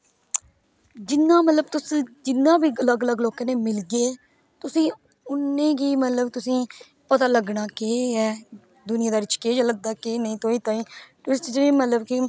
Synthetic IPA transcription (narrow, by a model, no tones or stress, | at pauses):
d͡ʒɪnːãːmət̪ləb̚t̪ʊsd͡ʒɪnːãːbiːələɡələɡloːkeːneːmɪlɡeː | t̪ʊsĩː | ʊnːẽːɡiːmət̪ləbt̪ʊsĩː | pət̪aːləɡnaːkeːɛː | d̪ʊnɪjãːd̪aːɾɪt͡ʃkeːd͡ʒələɡ̚d̪aːkeːnəĩːt̪oːiːt̪ãːĩːʈuɾɪsʈd͡ʒɾiːmət̪ləbkɪ